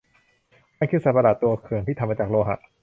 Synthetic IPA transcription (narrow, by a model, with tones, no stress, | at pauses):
ma˥˨kʰɯ˥˩sa˨˩ba˧daː˨˩t̪ːu˧ɐkʰɯ˨˩əŋiː˥˩a˧maː˧t͡ɕaː˨˩k̚loː˧ɦa̰˨˩ʔ